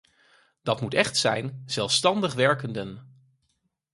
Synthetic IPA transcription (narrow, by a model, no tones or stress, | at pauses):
d̥ɑtmutɛχtsɛ̰jnz̥ɛlˠfstɑndəχʋɛɹkəndən